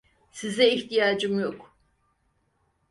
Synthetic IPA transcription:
sizɛiçt̪ijaːd͡ʒɯmjo̞k

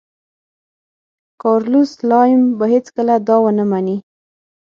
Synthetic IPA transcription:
kɑɾluslɑjmbaɦet͡skəlad̪ɑwənəmani

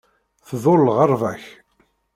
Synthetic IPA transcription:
θðˤolːəʁəɾˤvæç

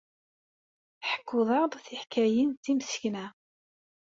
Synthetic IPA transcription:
ħə̥kːʊðˤɑðˤθiħkːæjint̪ːimsə̥çnæ

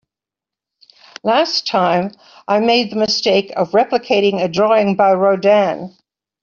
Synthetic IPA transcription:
læstʰãɪ̃m | ʔaɪmeɪd̪̚ðəmɨsteɪkʰəvɹɛpləkʰeɪɾɪ̃ŋɨdɹɔɪ̃ŋbaɪɹəʊdæ̃n

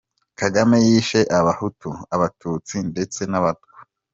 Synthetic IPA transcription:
kaɡamejiːʃeʔaβahutuaβatuːt͡sinde̞t͡se̞naβatɡwa

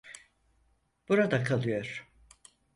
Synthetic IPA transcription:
b̥uɾad̪akʰalˠɯjo̞ɾ̥

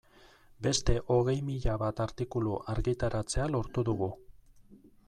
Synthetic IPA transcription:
be̞st̪e̞ʔo̞ɣe̞jmiʎaβat̪aɾt̪ikuluʔaɾɣit̪aɾat͡se̞alo̞ɾt̪uðuɣu

